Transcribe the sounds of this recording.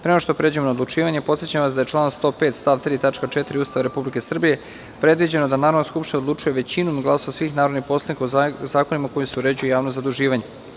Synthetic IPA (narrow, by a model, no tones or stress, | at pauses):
pɾeoaʃt̪o̞pɾe̞ːd͡ʑuemonaod̪lˠut͡ʂiːʋaɲe̞pot̪sjet͡ɕamʋasd̪aje̞t͡ʃlˠaːnst̪o̞peːt̪st̪aːʋt̪ɾiːt̪at͡ʃkat͡ʃet̪iɾiuːst̪aʋaɾe̞publike̞sr̩bije̞ | pɾe̞d̪ʋid͡ʑe̞nod̪anaːɾod̪noskupʃt̪inaod̪lut͡ʂujeʋe̞t͡ɕinumɡlaːsoʋasʋiːxnaːɾod̪nixpo̞slˠead̪nikaozaːkonimakojuseuɾe̞d͡ʑujujaːʋnozad̪uʒiːʋaɲe̞